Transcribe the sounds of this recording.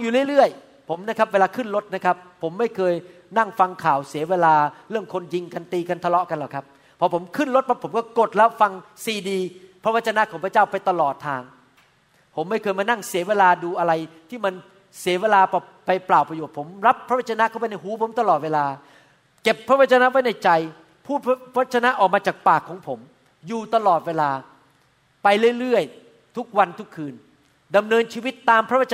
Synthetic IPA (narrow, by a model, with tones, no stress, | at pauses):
ŋjuː˨lɯ˥˩jlɾɯ˥˩əj | pʰo˩˦mna˦˥kʰa˦˥p̚weː˧laː˧kʰɯ˥˩nlo˦˥t̪̚na˦˥kʰa˦˥pʰːo˩˦mːa˥˩jkʰɤː˧j | na˥˩ŋfa˧ŋkʰaː˨˩˦wsi˩˦weː˧laː˧ɾɯ˥˩əmkʰo˧nji˧ŋka˧nt̪iː˧ka˧nt̪ʰa˧lɔ˦˥ʔka˧nlɛː˨˩kʰp̚ | pʰːɔː˧pʰo˩˦mkʰɯ˥˩nlo˦˥t̪̚pʰɔ˦˥pʰo˩˦mkɔː˥˩ko˨˩t̪̚lɛː˦˥wfa˧ŋsiː˧diː˧pʰɾa˦˥wa˦˥t̚t͡ɕʰːa˧na˦˥kʰɔː˩˦ŋpʰɾa˧t͡ɕaː˥˩wpa˧jt̪a˧lɔː˨˩t̪ʰːaː˧ŋ | pʰo˩˦mːa˥˩jkʰɤː˧jmaː˧na˥˩ŋsi˨˩˦weː˧laː˧duː˧ʔa˧ɾa˧jt̪ʰiː˥˩ma˧n | si˩˦weː˧laː˧pʰɔ˨˧˩ | pa˧jplaː˨˩wpɾa˧joː˨˩t̪̚pʰo˩˦mɾa˦˥pʰːɾa˦˥wa˥˩t̚t͡ɕa˧na˦˥kʰaː˥˩pa˧jna˥˩jɦuː˨˦pʰo˩˦mt̪a˧lɔː˨˩t̪̚weː˧laː˧ | ke˨˩pʰːɾa˦˥wa˥˩t͡ɕa˧na˦˥wa˦˥jna˧˥jt͡ɕa˧j | pʰuː˥˩t̪̚ʰa˥a˦a˥t̪̚t͡ɕʰa˧na˦˥ʔɔː˨˩k̚maː˧t͡ɕaː˨˩k̚paː˨˩kʰːɔː˩˦ŋpʰo˩˦m | juː˨˩t̪a˧lɔː˨˩t̪̚weː˧laː˧ | pa˧jlɯ˥˩jɾɯ˥˩əj | t̪ʰu˦˥k̚wa˧nt̪ʰu˦˥kʰːɯː˧n | da˧mnɤː˧nt͡ɕʰiː˧wi˦˥t̪ːaː˧mpʰɾa˦˥˦a˥˩t͡ɕ